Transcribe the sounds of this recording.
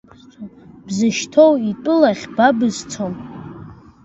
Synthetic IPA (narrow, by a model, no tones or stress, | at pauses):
bzɨʃtʰo̞witʼʊlaχʲbabɨzt͡sʰom